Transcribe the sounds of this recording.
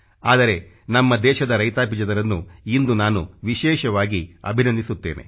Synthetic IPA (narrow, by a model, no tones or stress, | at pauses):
aːd̪ɐɾe̞ | nɐmːɐd̪ɛːʃɐd̪ɐɾɐjt̪aːp̬id͡ʒɐd̪ɐɾɐnːuind̪unaːnuʋiʃɛːʃɐʋaːɡiɐ̰bʱinɐnd̪isut̪ːe̞̰ːne̞̰